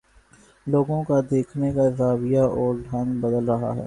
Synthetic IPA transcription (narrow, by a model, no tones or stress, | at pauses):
loːɡõkad̪eːkʰnekaɾaːbɪjaʔɔːɾɖʱɐ̃ŋbəd̪əlɾɐɦa̰ɦɛ̰ː